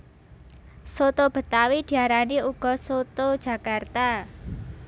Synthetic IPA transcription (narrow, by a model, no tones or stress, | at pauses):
sot̪ob̥ə̤t̪awid̪̥i̤aɾaniuɡ̥ɔ̤sot̪od̥ʒ̥ä̤kart̪a